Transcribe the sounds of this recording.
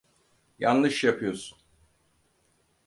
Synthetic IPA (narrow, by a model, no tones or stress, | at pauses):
janlɯʃjapʰɯjo̞sun